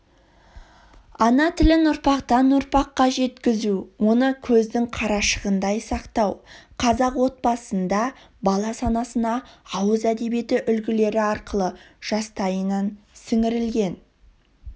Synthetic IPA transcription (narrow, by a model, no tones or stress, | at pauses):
ɑnɑt̪ʰɪlɪnʊɾpɑqt̪ɑnʊɾpɑqːɑʒe̞t̪kʲɪzuwo̞nəkʲʰɵzd̪ɪŋqʰɑɾɑʃəʁənd̪ɑjsɑqt̪ɑwqʰɑzɑqwo̞t̪̚bɑsənd̪ɑ | bɑlˠɑsɑnɑsənɑɑwəzæd̪e̞bie̞t̪ɪʔʏlɡʲɪle̞ɾɪɑɾqəlˠə | ʒ̥ɑst̪ɑjənɑnsɪŋɪɾɪlɡʲe̞n